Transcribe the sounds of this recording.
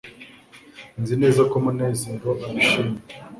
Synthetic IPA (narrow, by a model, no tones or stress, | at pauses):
nzine̞ːzakomuneːziŋɡoʔaβiʃime